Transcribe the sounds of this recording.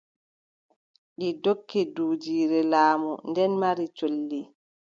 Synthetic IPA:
ɗidokːɛduːd͡ʒiːɾɛlaːmundɛnmaɾit͡ʃolːi

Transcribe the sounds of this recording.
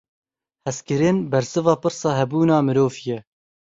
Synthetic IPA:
hɛskɨɾenbɛɾsɨvɑːpɨɾsɑːɦɛbuːnɑːmɨɾoːvjɛ

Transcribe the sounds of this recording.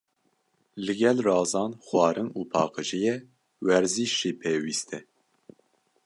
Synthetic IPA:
lɨɡɛlrɑːzɑːnxwɑːɾɨnuːpʰɑːqɨʒijɛ | wɛɾziʃːiːpʰeːwiːst̪ʰɛ

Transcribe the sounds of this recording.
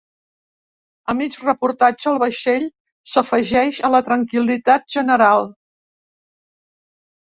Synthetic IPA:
əmit͡ʃrəpuɾt̪ad͡ʒəːlˠβəʃeʎ | səfəʒɛʃələt̪ɾəŋkilit̪at̪̚ʒənəɾalˠ

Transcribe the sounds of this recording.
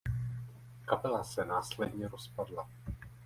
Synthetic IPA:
kapɛlasɛnaːslɛdɲɛɾospadla

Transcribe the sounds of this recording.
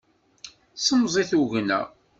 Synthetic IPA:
səmzˤiθuʝnæ̰

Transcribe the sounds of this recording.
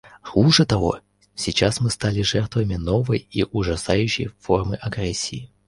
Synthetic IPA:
xuʐɛt̪ɐvɔ̰ | sʲit͡ɕasmɨst̪alʲiʐɛrt̪vɐmʲinɔvɐjiʔuʐɐsajʉɕːɪ̰jfɔrmɨʔɐɡrɛsʲii

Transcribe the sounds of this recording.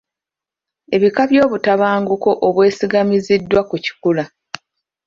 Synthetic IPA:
e̞βikaβjo̞ːβutaβaːŋɡuko̞ʔoβwe̞ːsiɡamizidːwakuci̥kula

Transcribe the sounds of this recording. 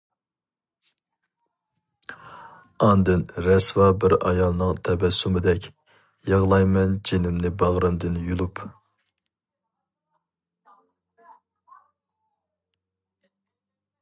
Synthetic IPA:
ɑnd̪ɨnɾɛswɑbɪɾɑ̰jɑlˠnɨŋt̪ʰɛbɛsːumɪd̪ɛkʲ | jɑʁlˠɑjmɛnd͡ʒenɪmnɪbɑʁɾɨmd̪ɪnjulˠup

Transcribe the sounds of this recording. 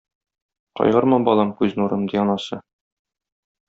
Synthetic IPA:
qɒ̰jʁɤɾmɤbɒlˠɑmkʉznuɾɤmd̪iɒnɑsɤ

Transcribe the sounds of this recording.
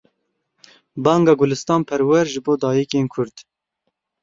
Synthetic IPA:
bɑːŋɡɑːɡʊlɨst̪ɑːnpʰɛɾwɛɾʒɨboːd̪ɑːjikeːnkʰʊɾd̪̥

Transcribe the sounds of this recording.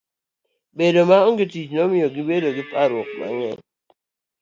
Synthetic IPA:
bedomaɔŋɡitit͡ʃnɔmɪɔɡibedoɡɪpaɾɔk̚ma̰ŋɛ̰n

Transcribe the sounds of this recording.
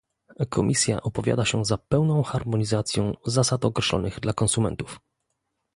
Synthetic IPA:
kʰɔmʲʔisʲja̰ʔɔpɔvʲja̰d̪aɕɛzapɛwnɔ̃w̃xaɾmɔɲizat̪sʲjɔ̃w̃zasat̪ɔkɾɛɕlɔ̰nɘɣd̪lakɔnsumɛ̰nt̪uf

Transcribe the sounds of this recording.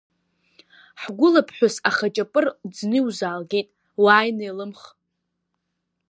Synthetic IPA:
ħɡʷʊlapʰħʷᶣʊsaχat͡ʃʼapʼɨrd͡znɨwzaːlɡʲejtʼ | waːjnejlɨmχ

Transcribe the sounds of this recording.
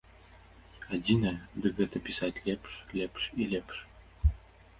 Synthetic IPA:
ad̪ʲinad̪ɨɣɘ̆t̪ɘ̆pʲisatʲlʲepʂlʲepʂilʲepʲʂ

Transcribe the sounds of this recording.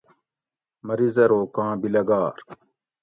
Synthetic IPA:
mɐɾizɐɾoːkãːbilɐɡaːɾ

